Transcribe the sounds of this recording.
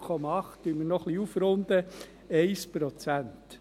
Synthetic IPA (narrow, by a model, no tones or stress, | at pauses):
kʰɔmɑɑχtd̥ymənɔχliufɾʊnd̪ə | ɛɪspɾɔt͡sænt